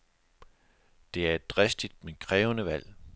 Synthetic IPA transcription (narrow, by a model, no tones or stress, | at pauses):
d̥e̝æɐe̝d̥̚ːʁɛsd̥id̥mekʰʁɛːʊənəʋæl̰